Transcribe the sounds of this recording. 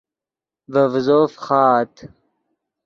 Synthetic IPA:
vɐvzoːfχɑːt̪

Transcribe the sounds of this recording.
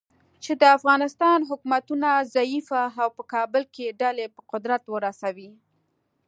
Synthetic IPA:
t͡ʃed̪əafɣɑnɪst̪ɑnɦʊkumat̪unazaifaːwpəkɑbəlkeɖalepəqʊd̪ɾat̪wəɾasawi

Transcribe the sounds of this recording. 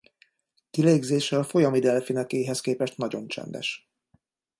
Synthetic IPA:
t̪ileːɡzeːʃɛlfo̞jɒmid̪ɛlfinɛkeːɦɛskeːpɛʃt̪nɒɟo̞nt͡ʃɛ̰nd̪ɛ̰ʃ

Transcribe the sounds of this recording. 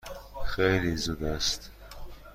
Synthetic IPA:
xejliːzuːd̪æst̪

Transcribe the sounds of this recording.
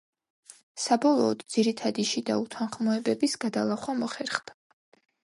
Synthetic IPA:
sabɔlˠɔːd̪d̪z̥iɾit̪ʰad̪iʃid̪a̰ut̪ʰanχmɔɛbɛbisɡad̪alˠaχwamɔχɛɾχd̪̥a

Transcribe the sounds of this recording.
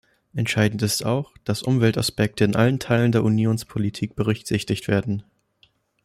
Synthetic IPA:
ʔɛntʃaɪdn̩tɪsta̰ʊxd̥asʔʊmvɛlta̰spɛk̚təɪnʔa̰ləntʰaɪləndeːɐʔunjoːnspʰolitʰiːk̚b̥əʁ̞ʏçz̥ɪçtɪçtv̥eːɐdn̩

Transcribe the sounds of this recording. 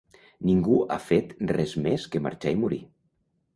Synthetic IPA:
niŋɡua̰fet̪rɛzmeskema̰ɾt͡ʃaimuɾi

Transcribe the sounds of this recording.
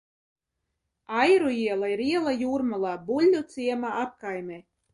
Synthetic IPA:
ajɾuiɛlˠaiɾiɛlˠajuːɾmalˠaːbulʲːut̪siɛmaap̚kajmʲe

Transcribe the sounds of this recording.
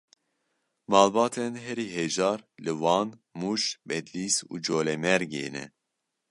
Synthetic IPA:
mɑːlbɑːt̪ʰɛnɦɛɾiːɦeʒɑːɾlɨwɑːnmuːʃbɛd̪liːsṵːd͡ʒoːlɛmɛɾɡḛːnɛ̰

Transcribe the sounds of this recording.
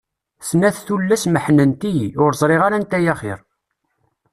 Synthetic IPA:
snæθθulːæsməħnənt̪iʊɾzˤɾˤiʁaɾænt̪ːæjæχɪ̰ɾ

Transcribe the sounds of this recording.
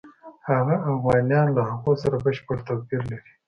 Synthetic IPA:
haɣaafɣɑːnijɑːnlahaqusaɾabəʃpəɽt̪apiɾlaɾi

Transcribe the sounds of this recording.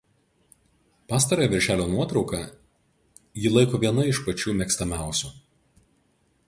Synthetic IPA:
pɑːs̬t̪ɐɾoːjɛʋʲɪɾʲʃʲæːlʲoːnuɔt̪ɾɒʊkɑ | jɪlˠɐɪkoːʋʲiɛnɐɪʃpɐt͡ʃʲuːmʲɛkst̪ɐmʲæˑʊsʲuː

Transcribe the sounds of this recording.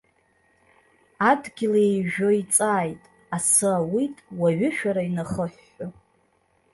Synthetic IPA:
adɡʲɪlejʒᶣo̞it͡sʼaːjtʼ | asɨawitʼwaɥʏʃᶣaɾainaχəħːa

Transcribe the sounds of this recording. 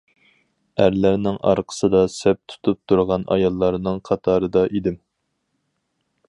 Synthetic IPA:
æɾlæɾnɪŋʔɑ̰ɾqʰə̥sɨd̪ɑsɛp̚t̪ʰu̥t̪ʰup̚t̪ʰuɾʁɑnʔɑ̰jɑlˠːɑɾnɨŋqʰɑt̪ʰɑːɾɨd̪ɑʔid̪ɪm

